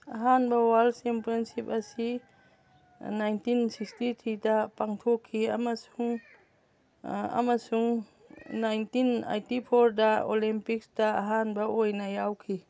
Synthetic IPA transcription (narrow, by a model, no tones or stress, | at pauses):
aɦanbawalsɛmpɾɔnsipasi | najntinsikstitʰidapaŋtʰɔkʰːiamasuŋ | a̰masuŋ | najntina̰jtipʰɔɾdaolimpiksdaaɦanbɐʔojnajawkʰi